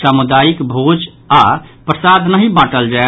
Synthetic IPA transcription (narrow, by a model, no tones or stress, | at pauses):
samud̪ajikbʱod͡ʒ | apɾəsad̪ʱnəɦibaʈəld͡ʒae